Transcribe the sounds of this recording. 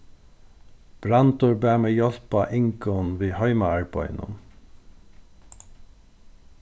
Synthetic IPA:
b̥ɹɑnt̪ʊɹbæːmeːjɔlpɑʔɪŋkɔnʋiːhœʏmɑæɹbɔ̰ʏnʊ̰n

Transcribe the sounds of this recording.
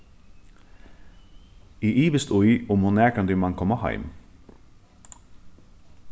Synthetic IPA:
iːʔiːʋəst̪ʊʏʊmhʊnæːkʰɑnd̪ʉːmɑŋkʰɔmɑhɑ̰ɪm

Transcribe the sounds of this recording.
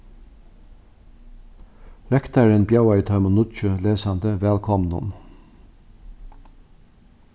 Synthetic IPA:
ɾɛkt̪aɹənbjɑʊœʏt̪ʰœʏmənʊt͡ʃəleːsand̪əʋɛːlkʰɔmnʊ̰n

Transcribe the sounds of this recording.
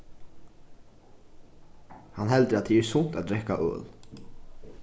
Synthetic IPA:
hanɦɛld̪əɾat̪ʰiɛsʊn̥t̪at̪ɾɛhkaʔø̰ːl

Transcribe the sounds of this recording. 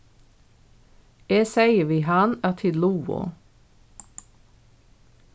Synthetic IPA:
eːsæɪəʋiːhɑnæt̪ʰɪlluːʊ̰

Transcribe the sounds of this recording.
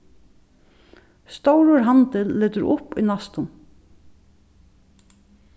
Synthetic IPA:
st̪owɾʊɹɦant̪ɪlːeːt̪ʏɾʊ̰pʊjnast̪ʊn

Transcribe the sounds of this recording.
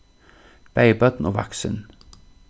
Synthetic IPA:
b̥æɪbœd̪n̩oːʋɑ̰ksə̰n

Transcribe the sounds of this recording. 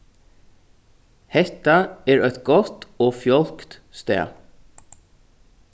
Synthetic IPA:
hɛht̪aɛɹœʏt̪ɡɔt̪ɔːfjɔlkt̪st̪ɛ̰ː

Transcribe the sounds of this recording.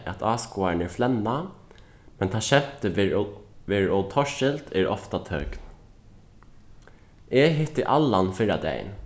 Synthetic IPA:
ʔæt̪ʰɑːskuaɹnɛɹflɛnːa | mɛnt̪ʰaːʃɛm̥t̪ə | ʋɛɹɔt̪ʰɔʃɪlt̪ʰɛɾɔ̰ft̪at̪ʰœkn | ɛɦɪt̪ɪʔalːanfɪɾad̪ɛ̰j̰n

